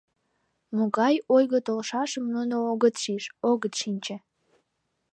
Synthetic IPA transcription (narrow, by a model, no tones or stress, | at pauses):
moɣɑjojɣət̪olʃɑʃəmnunooɣət̪ʃiʃoɣət̪ʃinʲt͡ɕĕ